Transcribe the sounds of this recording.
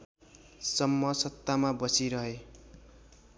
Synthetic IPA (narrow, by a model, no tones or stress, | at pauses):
sʌmːʌsʌt̪ːamabʌsiɾʌɦe